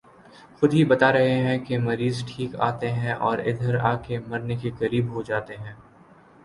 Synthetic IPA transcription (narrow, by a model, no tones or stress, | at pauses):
xʊd̪ʱɦibɐt̪aɾɐɦeɦɛ̃kemɐɾiːzʈʰiːka̰ːt̪eɦɛ̃ʔɔːɾɪ̰d̪ʱəɾaːkemɐɾnekekɐɾiːbɦod͡ʒaːt̪eɦɛ̃ː